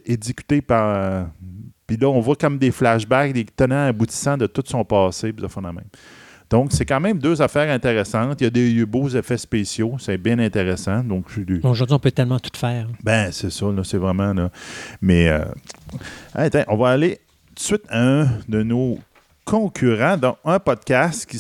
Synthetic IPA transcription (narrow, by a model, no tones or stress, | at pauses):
ezikʲy̥t̪epaʁə | pilʌɔ̃vwakɔmd̪eflaʃbak̚d̪et̪ənãːbut͡s̪i̥sãd̪ət̪ʊt̪sɔ̃pɑːsepisafɛ̃d̪amɛ̃ɪm | d̪̥ɔ̃ksekɑ̃ːmɛ̃md̪øːzafɛːʁɛ̃t̪eʁesɑ̃t̪jɐd̪ebozefɛspeːsjosɛbjɛ̃nɛ̃t̪eʁesãd̪ɔ̃ksd̪eoʒʊʁd̪ɥiɔ̃pøt̪ɛlmɑ̃t̪u̥t̪fɛːʁbɛ̃sesʌlʌsɛvʁɛmãlɔmɛø̰ | a̰t̪ɛ̃ʔɔ̃vaːle | t̪u̥sɥɪt̪aœ̃d̪əno | kʰɔ̃kʲʰyʁãd̪ɔ̃œ̃pɔd̪̚kʲast̪kʲi